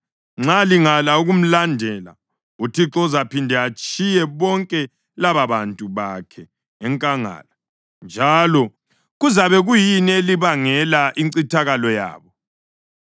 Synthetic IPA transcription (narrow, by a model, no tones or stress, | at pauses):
ŋ͡ǁaliŋalauɣum̩landʱɛla̰ | utʰiǁɔzapindʱɛat͡ʃʼijɛβɔŋkʼɛ | laβaβantʼuβakʰɛː | ŋkʼaŋa̰ːla | nd͡ʒʱalɔ | ɣuzaβɛɣujineliβaŋɛlaʔiŋǀitʰaɣalɔja̰ːβɔ